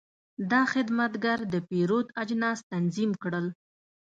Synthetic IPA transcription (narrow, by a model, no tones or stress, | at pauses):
d̪ɑxɪd̪mat̪ɡaɾd̪əpeɾot̪ad͡ʒnɑst̪anzimkɽəl